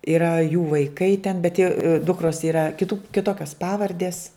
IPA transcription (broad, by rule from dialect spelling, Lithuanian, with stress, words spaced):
ɪˈrɐ juː ʋɐɪˈkɐɪ tʲɛn bʲɛt jɛʊ ˈdʊkroːs iːˈrɐ kʲɪˈtʊ kʲɪˈtoːkʲoːs ˈpɑːʋɐrʲdʲeːs